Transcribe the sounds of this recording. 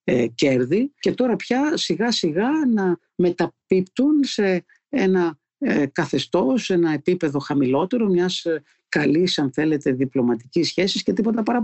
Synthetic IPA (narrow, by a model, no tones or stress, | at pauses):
ece̞ɾðice̞t̪o̞ɾɐpçɐsiɣɐsiɣɐnɐ | me̞t̪ɐpipt̪unse̞ | enɐ | kɐθe̞st̪o̞se̞nɐe̞pipe̞ðo̞xɐmilo̞t̪e̞ɾo̞mɲɐs | kɐlisɐnθe̞le̞t̪e̞ðiplo̞mɐt̪i̥cisçe̞sisce̞t̪ipo̞t̪ɐpɐɾɐ